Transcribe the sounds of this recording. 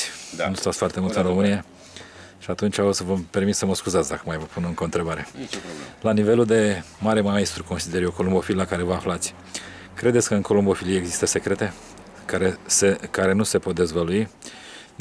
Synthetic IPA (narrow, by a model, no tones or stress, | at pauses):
nust̪at̪sfoart̪e̞mult̪ɨnromɨnie | ʃiat̪unt͡ʃʲaosvəmpe̞rmit̪səməskuzat̪sd̪akəmajvəpunɨŋkoɨnt̪ɾe̞baɾe̞ | lanive̞luld̪e̞maɾe̞maest̪ɾuko̞nsid̪e̞ɾjoko̞lumbo̞fillakaɾe̞vəaflat̪sʲ | kɾed̪e̞t̪sʲkəɨnko̞lombo̞filije̞ɡzist̪əse̞kɾe̞t̪e̞ | kaɾesekaɾe̞nuse̞po̞t̪̚d̪e̞zvəlui